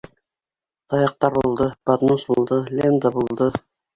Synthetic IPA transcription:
t̪ʰɑjɑq̚t̪ɑɾbulˠd̪ɤpat̪nusbulˠd̪ɤlʲend̪əbulˠd̪ɤ

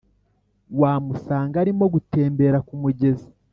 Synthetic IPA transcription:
waːmusaːŋɡaɾimo̞ɡute̞ːmbe̞ɾakumuɟe̞zi

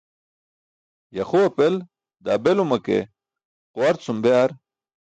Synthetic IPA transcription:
jɐxuɐpel | d̪aːbelumɐkḛ | quwɐɾt͡sumbjaɾ

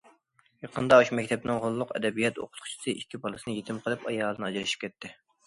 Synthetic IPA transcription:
jɑqʰənd̪ɑuʃumɛkʲt̪ʰɛpnɪŋʁolˠːʊqɛ̰d̪ɛbijɛt̪o̰qʰʊ̥t̪qʰʊ̥t͡ʃʰi̥sɨʔikʲʰːibɑlˠɨsɨnɨjet̪ʰɪmqʰəlˠɨpɑjɑːlˠənɨɑd͡ʒiɾɨʃi̥p̚kʲʰɛt̪ʰːɪ

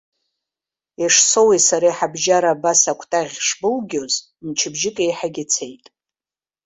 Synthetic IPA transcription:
iʂsowesaɾajħabʒaɾaːbasakʷʰtʼaʁʲʂbɨlɡʲoz | mt͡ʃʰɪbʒɪkʼejħaɡʲɪt͡sʰejtʼ

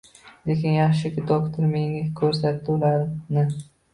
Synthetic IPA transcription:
lekʲɪnjɑχʃɪkʲɪd̪okt̪ʰoɾmeŋakʲʰɵɾs̬at̪ːɪʊlaɾnɪ

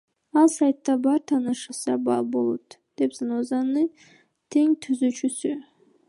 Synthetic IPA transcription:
alˠsajt̪ːabaɾt̪ʰanɨʃasaba̰lˠbolˠut̪d̪̥epzanozanɨ | t̪ʰeŋt̪ʰyzyt͡ʃʰysy

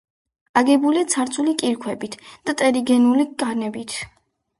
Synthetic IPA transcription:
aɡɛbuliat̪sʰaɾt̪sʰʼulikʼiɾkʰwɛbit̪ʰd̪̥at̪ʼɛɾiɡɛnulikʼanɛbit̪ʰ

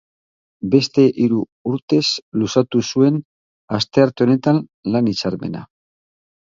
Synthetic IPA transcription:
be̞st̪e̞ʔiɾu | uɾt̪e̞slusat̪usue̞n | ast̪e̞aɾt̪e̞one̞t̪anlanit͡saɾme̞̰na̰

